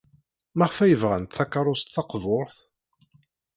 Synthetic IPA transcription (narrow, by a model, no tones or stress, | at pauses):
mæʁfæjəvʁæ̰nt̪θækːɑɾˤʊst̪θɑqvʊɾθ